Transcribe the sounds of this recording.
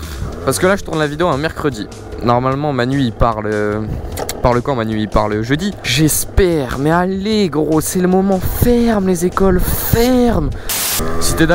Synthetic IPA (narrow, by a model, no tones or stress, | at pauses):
paʁsə̥kəlaʒət̪uʁnlavid̪eoɛ̃mɛʁkχəd̪i | nɔʁmalmɑ̃manɥiːpaʁlø | paʁləkɑ̃manɥipaʁləʒød̪iʒɛspɛʁmɛaleɡʁosɛləmɔmɑ̃fɛʁmlezekɔlfɛʁm | sit̪ɛd̪a